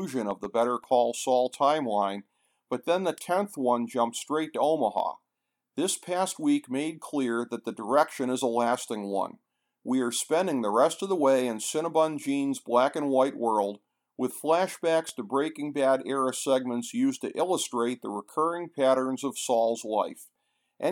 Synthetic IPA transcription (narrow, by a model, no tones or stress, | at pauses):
ʒɨ̃nʌvðəbɛɾə˞kʰɔlˠsɔlˠtʰãɪ̃mlãɪ̃n | b̥ʌt̪̚ðɨ̃nðɨtʰɛ̃nθwʌ̃nd͡ʒʌ̃mp̚tstɹ̥eɪtəõʊ̃məhɑ̰ | ðɪspʰæst̚wikmeɪd̚kʰl̥ɪɹðɨt̪̚ðɨdə˞ɛkʃɨ̃ñɨzəlæstɪ̃ŋwʌ̰̃n | wiə˞spɛ̃ndɪ̃ŋðəɹɛstʌvðəweɪɨ̃nsɪ̃ñəbə̃nd͡ʒĩnzblækɨ̃nwaɪʔ̚wɜ˞lˠd̚ | wɨð̥flæʃb̥ækstɨbɹeɪkɪ̃ŋbæɾɛɹɨsɛɡ̚mə̃ntsjʉztɨ̰ʔɪlˠəstɹ̥eɪt̪̚ðəɹɨkʰɜ˞ɪ̃ŋpʰæɾə̃˞nzʌv̥sɔlˠzlaɪf | ʔɨ̃